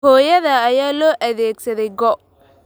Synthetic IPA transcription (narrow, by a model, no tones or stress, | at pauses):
hɔːjɐðɐːjaːlɔːʔɐðɛːɡsɐðɛjɡɔ